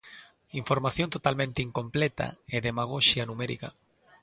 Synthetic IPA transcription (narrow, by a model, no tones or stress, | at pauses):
iɱfoɾmaθjont̪ot̪almẽnt̪eiŋkõmplet̪a̰eðemaɣ̞oʃjanumeɾḭka̰